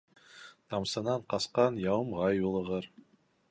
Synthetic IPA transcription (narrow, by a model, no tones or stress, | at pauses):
t̪ʰɑmsɤnɑɴqɑsqɑnjɑwɤmʁɑjulˠɤ̆ʁɤɾ